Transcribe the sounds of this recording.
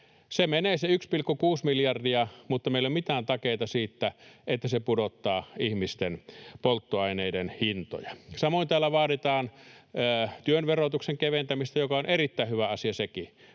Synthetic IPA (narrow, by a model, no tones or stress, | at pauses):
semeneːseykspilkːokuːsmiljɑrdiɑmut̪ːɑmeˑilommit̪æːnt̪ɑkeˑit̪ɑsiːt̪ːæet̪ːæsepudot̪ːɑːihmist̪enpolt̪ːoɑˑineˑidenhint̪o̰jɑsɑmoˑint̪æːlːæʋɑːɾit̪ɑːnː | t̪yønʋerot̪ukseŋkeʋent̪æmist̪æjokɑonʔerit̪ːæˑihyʋæɑsiɑseki